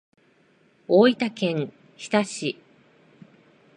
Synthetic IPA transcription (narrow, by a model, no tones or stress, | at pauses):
oːit̪akẽ̞ŋ | çi̥t̪aɕi